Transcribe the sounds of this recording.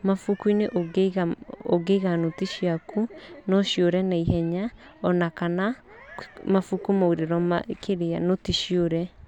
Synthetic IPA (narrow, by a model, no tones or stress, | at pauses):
mafukwineʔoɡɣao̰ɡeɣanotiʃiakʰunɔʃjoɾɛnaiɦɛɲa | ɔnakana | mafukumauɾeɾɔma̰kʰeɾeanotiʃjoɾɛ